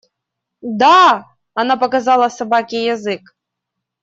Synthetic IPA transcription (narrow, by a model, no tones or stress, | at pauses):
d̪a | anapɐkazɑlˠəsabakʲijazɨk